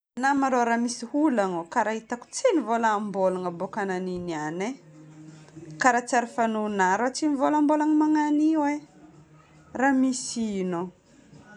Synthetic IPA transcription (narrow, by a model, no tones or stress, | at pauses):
namaɾoɾamisihulaŋokaɾaɦit̪aku̥t͡sinivolaːmbolaŋəbokananiniane | kaɾat͡saɾifanunaɾat͡sinivolambolaŋmaŋaniwe | ramisino